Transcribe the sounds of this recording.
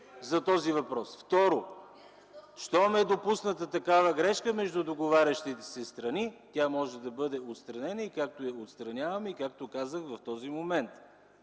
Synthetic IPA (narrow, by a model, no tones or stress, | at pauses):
zɐt̪ɔzivɐpɾɔsft̪ɔɾo | ʃt̪ɔmɛd̪opusnət̪ət̪ɐkavəɡɾɛʃkəmɛʒd̪ʊd̪oɡovaɾʲɐʃt̪it̪ɛ̥sɛst̪ɾɐnit̪ʲjamɔʒɛd̪ɐbɤd̪ɛot̪st̪ɾɐnɛnəikak̚t̪oɛot̪st̪ɾɐnʲavɐmikak̚t̪okazəxvɐft̪ɔzimomɛnt̪